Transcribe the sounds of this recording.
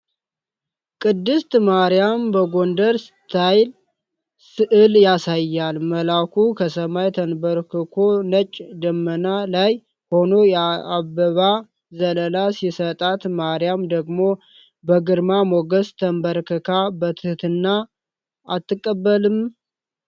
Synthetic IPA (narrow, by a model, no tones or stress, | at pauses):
kʼɨd̪ːɨst̪maɾijambəɡo̞nd̪əɾst̪ʰajl | sɨʔɨljasajːalməlakʰukʰəsəmajt̪ʰənbəɾkʰɨkʰonət͡ʃʼd̪əmːənalaj | ho̞no̞jɛabːəβa | zələlasisət̪ʼat̪maɾijamd̪əɡmo̞ | bəɡɨɾmamoɡəst̪ʰəmbəɾkʰɨkʰabət̪ʰɨht̪ɨnːa | ʔat̪ːɨkʼːəbːəlɨm